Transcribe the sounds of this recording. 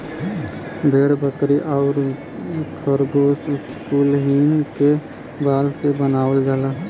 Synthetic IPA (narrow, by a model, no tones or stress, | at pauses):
bʱeːɽbəkɾiʔɔːɾ | kʰəɾɡoːstkuːlɦiːnke | baːlsebənaːʋəld͡ʒaːlaː